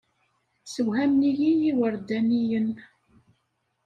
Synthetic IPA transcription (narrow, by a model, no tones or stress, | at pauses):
səwhæmnijijiwəɾd̪ænijən